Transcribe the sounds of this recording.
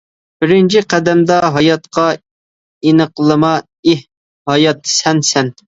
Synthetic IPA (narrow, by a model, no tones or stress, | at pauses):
b̥ɪɾɪnt͡ʃʰiqʰæd̪ɛmd̪ɑɦɑjɑt̪qʰɑ | inəqlˠɨmɑ | ih | hɑjɑt̪ːsɛnsɛn